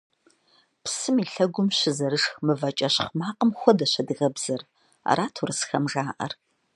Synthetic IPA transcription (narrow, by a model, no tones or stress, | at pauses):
psɨmiːɬɐɡʷʊmɕɪzɐɾɨʂxmɨvɐt͡ʃʼɐɕχmaːqʼəmxʷɔdɐɕɐdɨɣɐbz̥ɐr | a̰ɾaːtʰurɨsxɐmʒaːʔɐ̰r